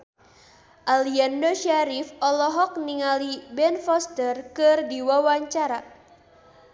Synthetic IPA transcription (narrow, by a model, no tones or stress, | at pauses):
ʔaliandoʃaɾifɔlɔɦɔk̚niŋalibɛnfɔst̪ərkɨrdiwawaɲt͡ʃaɾa